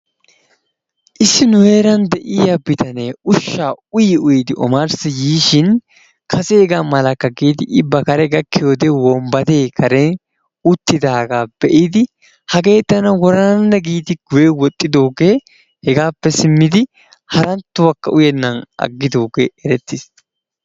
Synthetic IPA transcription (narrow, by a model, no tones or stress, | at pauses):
ʔɪsːɪnʊhe̞ːɾɐnd̪ɛʔɪjabɪt̪ɐneʊʃːaːʊjɪʊjɪd̪ɪʔɔ̰maɾsɪjiːʃɪn | kʰɐseɡaːmɐlɐkːɐɡiːt̪ɪʔɪbːɐkɐɾɛɡɐkːɪjoːd̪ewɔmbɐt̪e̞ːkʰɐɾe | ʊt̪ːɪd̪aːɡaːbɛʔɪd̪ɪ | hɐɡe̞ːt̪ːɐnɐwɔɾɐnɐnːɛɡiːt̪ɪɡ̥ʊjewɔt̪ʼːɪd̪oːɡeː | hɛɡaːpːɛsɪmːɪd̪ɪ | hɐɾɐnt̪ːʊwɐkːɐʔʊjɛnːɐnɐ̰ɡːɪd̪o̞ːɡeːɛɾɛt̪ːɪs